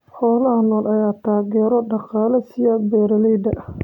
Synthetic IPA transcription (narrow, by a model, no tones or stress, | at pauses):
ħɔːlɐɦɐnɔːlʔɐjaːt̪ʰaːɣɛːɾɔɖɑqɑːlɐsɪjaːɡ̚bɛːɾɐlɛjd̪ɐʔ